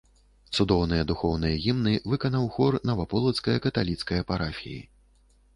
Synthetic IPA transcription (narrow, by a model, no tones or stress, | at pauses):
t̪sud̪ɔwnɨjɐd̪uxɔwnɨjɐɣʲimnɨvɨkɐnawxɔrnɐvapɔlˠɐt̪skɐjɐkɐt̪alʲit̪skɐjɐpaɾafʲḭjḭ